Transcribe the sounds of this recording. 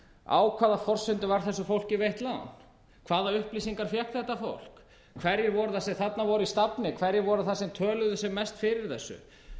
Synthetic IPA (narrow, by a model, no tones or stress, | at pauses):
a̰ːwkʰvaːðafɔr̥sʏnt̪ʏvaɾ̥θɛsːʏfowlcɪvejht̪la̰n | kʰvaːðaʏhplisiŋkaɾ̥fjɛhk̪θɛht̪afo̰wl̥k | kʰvɛɾjɪɾvɔɾʏθasɛmθat̪navɔɾʏist̪apnɪkʰvɛɾjɪɾvɔɾʏθasɛmt̪ʰœːlʏðʏsɛɣmɛst̪fɪɾɪɾ̥θɛsːʏ̰